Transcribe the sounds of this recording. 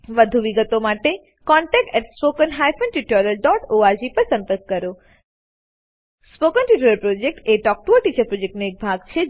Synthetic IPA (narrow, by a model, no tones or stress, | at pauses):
ʋəd̪ʱuʋiɡət̪omaʈe | kɔɳʈɛk̚ʈɛʈspokənɦajfənʈiʈɔləɾɖɔʈoaɾd͡ʒipəɾsə̃mpəɾkːəɾo | spokənʈiʈuɾəɾpɾod͡ʒek̚ʈeʈɔk̚ʈuoʈit͡ʃəɾpɾod͡ʒek̚ʈnoek̚bʱaɡt͡ʃʰe